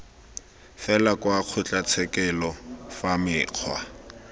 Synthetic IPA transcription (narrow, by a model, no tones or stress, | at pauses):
fɛlakʼwaq͡χʰʊt͡ɬʼat͡sʰɛkʼɛlɔfamɪːq͡χʰwa̰